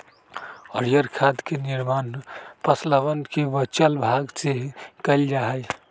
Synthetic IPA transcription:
əɾijəɾkʰad̪keniɾmanpəsləʋənkebət͡ʃəlbʱaɡt͡ʃeɦkəɪld͡ʒaɦəj

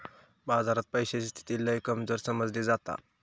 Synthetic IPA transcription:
bad͡zaɾat̪̚pəjɕest̪ʰi̥t̪ilːəikəmd͡zoɾsəməd͡zliːd͡zat̪a̰

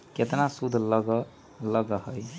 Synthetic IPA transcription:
ket̪nasud̪ʱləɡ | ləɡəɦəj

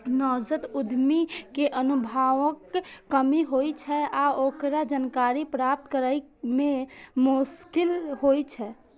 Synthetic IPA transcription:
nɔd͡ʒət̪ud̪ʱmikeʔənubʱaʋəkːəmiɦojt͡ʃʰɛaokɾad͡ʒənkaɾipɾap̚t̪kəɾəjmemuskilɦojt͡ʃʰɛ

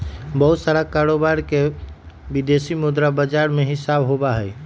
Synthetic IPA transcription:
bəɦut̪saɾakaɾobaɾke | bid̪esimud̪ɾabəd͡ʒaɾmeɦɪsabɦobaɦəj

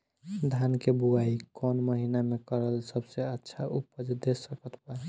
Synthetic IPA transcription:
d̪ʱankebuaikkɔnməɦinamekəɾəlsəbseətːʃʰaupəd͡ʒd̪esːəkət̪paɾ

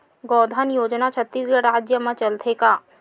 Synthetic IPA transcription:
ɡɔːd̪ʱənjoːd͡ʒnat͡ʃʰət̪ːiːsɡəɾaːd͡ʒjəmãt͡ʃɐlt̪ʰekaː

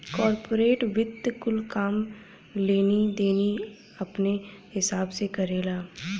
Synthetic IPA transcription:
kɔːɾpoːɾeːʈʋɪd̪kʊlkaːm | leːnid̪eːni | ɐpnehɪsaːbsekɐɾeːlaː

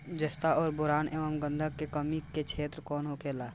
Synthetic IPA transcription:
d͡ʒəst̪aɔːɾbʊɾaːnʔeːʋəmɡə̃nd̪ʱəɡkːekəmiket͡ʃʰeːt̪ɾkɔːnɦokeːlaː

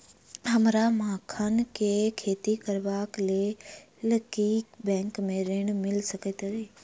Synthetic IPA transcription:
ɦɐmɾamãːkʰənkʰekʰeːt̪ikəɾʋaːkle | ləkikbɛ̃ːŋkmẽɾeːɽ̃mɪlsɐkʰet̪ɐɾeː

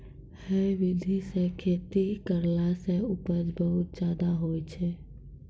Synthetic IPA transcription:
hɛʋid̪ʱisẽkʰet̪ikəɾlasẽupəd͡ʒbəɦut̪̚d͡ʒad̪aɦojt͡ʃʰɛ

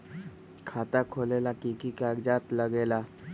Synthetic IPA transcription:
kʰaːt̪akʰoːlelakikikaɡd͡ʒaːt̪ləɡeːla

